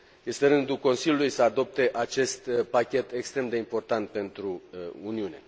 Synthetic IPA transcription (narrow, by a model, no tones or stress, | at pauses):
je̞st̪eɾɨnd̪ulko̞nsilʲjulujsəad̪o̞p̚t̪e̞ʔat͡ʃe̞st̪pakʲe̞t̪e̞kst̪ɾe̞md̪e̞impo̞rt̪ant̪̚pe̞nt̪ɾuuniune̞